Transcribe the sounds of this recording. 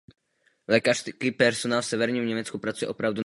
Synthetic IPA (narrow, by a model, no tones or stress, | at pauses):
lɛːkar̥skiːpɛɾsonaːlfsɛvɛɾɲiːmɲɛmɛt͡skupɾat͡sujɛ̰ʔo̞pɾavdu